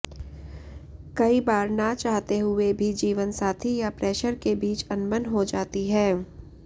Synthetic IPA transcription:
kɐibaːɾnat͡ʃaːɦt̪eɦʊebʱid͡ʒiːʋənsaːt̪ʰijapɾɛːʃəɾkebiːt͡ʃɐnmənɦod͡ʒaːt̪iɦɛ̃ː

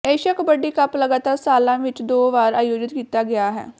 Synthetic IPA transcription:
eːʃəkbəɖiːkəpləɡaːt̪aːɾsaːlãːʋɪt͡ʃd̪oːʋaːɾaːjoːd͡ʒɪt̪kiːt̪aːɡɪaːɦɛ̰ː

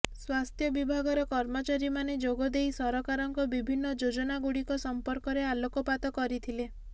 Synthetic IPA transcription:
swast̪ʰjɔbibʱaɡɔɾɔkɔɾmɔt͡ʃaɾimaned͡ʒoɡɔd̪ejsɔɾɔkaɾɔŋkɔbibʱinːɔd͡ʒod͡ʒɔnaɡuɽikɔsɔmpɔɾkɔɾealokɔpat̪ɔkɔɾit̪ʰile

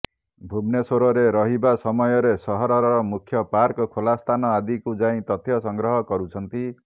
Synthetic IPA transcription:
bʱubnesoɾɔɾeɾʌɦibasɔmɔjɔɾesɔɦɔɾɔɾɾɔmukʰjʌpaɾkɔkʰolast̪ʰanɔad̪ikud͡zaĩt̪ʌt̪ʰjʌsɔŋɡɾɔɦɔkɔɾut͡ʃʰʌnt̪i

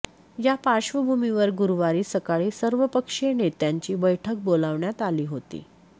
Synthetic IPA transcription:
japaɕʋəbʱumiʋəɾɡuɾʋaɾiːsəkaɭisəɾʋəpəkʂenet̪jaɲt͡ɕiːbəjʈʰək̚bolaʋɳjat̪aliːɦot̪ḭː

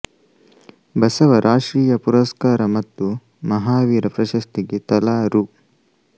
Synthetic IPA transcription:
bɐsɐʋɐɾʔaːʂɾiːjɐpuɾɐskaːɾɐmɐt̪ːu | mɐɦaːʋiːɾɐpɾɐʃɐst̪iɡet̪ɐlaːɾu

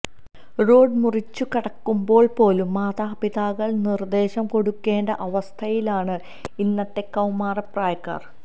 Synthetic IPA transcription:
ro̞ːɖmurit͡ɕːukɐɽɐkːumbo̞ːɭpo̞ːlumːaːðaːpiðaːɣɐɭnird̪e̞ːɕɐmko̞ɽukːe̞ːnɖɐʔɐʋɐst̪ʰɐjilaːɳɨ | inːɐt̪ːe̞kːɐwmaːrɐpraːjɐkːa̰ːr

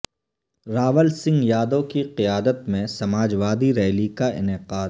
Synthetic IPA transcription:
ɾaːʋəlsɪ̃ŋɡjaːd̪õkiqɪjaːd̪ət̪mẽsɐmaːd͡ʒʋaːd̪iɾɛːlikaʔɪ̰nɪqaːd̪

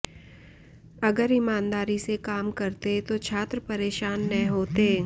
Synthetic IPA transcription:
ɐɡəɾɪmaːnd̪aːɾisekaːmkɐɾt̪et̪ot͡ʃʰaːt̪ɾəpɐɾeːʃaːnːɐ̃ɦoːt̪e

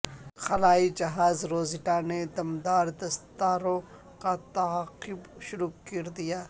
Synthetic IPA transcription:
xɐlaːid͡ʒɐɦaːzɾoːzɪʈaned̪ɐmd̪aːɾd̪ɐst̪aːɾõ | kat̪ɐqɪbʃʊɾuːkɐɾd̪ijaː

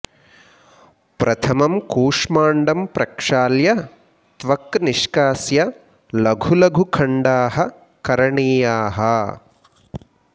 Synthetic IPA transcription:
pɾɐt̪ʰɐmɐmkuːʂmaːɳɖɐmpɾɐkʂaːljɐ | t̪ʋɐkniʂkaːsjɐ | lɐɡʱulɐɡʱukʰɐɳɖaːɦɐ̆ | kɐɾɐɳiːjaːɦɐ

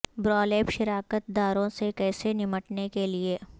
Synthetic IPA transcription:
bɾɔːleːpʃɪɾaːkət̪̚d̪aːɾõsekɛːsenɪməʈnekelieː

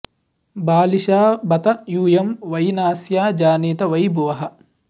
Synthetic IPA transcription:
baːliʃaːbɐt̪ɐjuːjɐmʋɐjnaːsjaːd͡ʒaːniːt̪ɐʋɐjbuʋɐɦɐ

